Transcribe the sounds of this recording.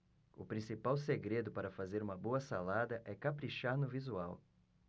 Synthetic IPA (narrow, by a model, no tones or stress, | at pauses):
ʊ̰pɾĩsipawseɡɾed̪ʊpaɾɐfazeɾũmɐboɐsalad̪ɐʔɛkapɾiʃaɾnʊvizuaw